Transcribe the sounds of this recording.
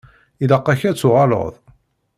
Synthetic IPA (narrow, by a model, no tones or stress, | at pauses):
iləqːɑçæt͡sːʊʁɑlə̰ðˤ